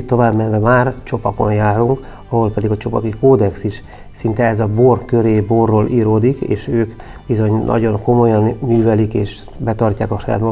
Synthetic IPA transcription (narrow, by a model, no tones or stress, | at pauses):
tt̪ːo̞vaːbmɛnvɛmaːrt͡ʃo̞pɒko̞̰njaːɾuŋk | ɒɦo̞lpɛd̪iɡɒt͡ʃo̞pɒkikoːd̪ɛksiʃ | sint̪ɛɛzɒborkø̞ɾeːborːoːlʔiːɾoːd̪ikḛːʃøːk | b̥izo̞ɲnʔɒ̰ɟo̞ŋko̞mo̞jɒnːyːvɛlikeːʃ | bɛt̪ɒrcaːkɒʃɒja̰ːt̪mo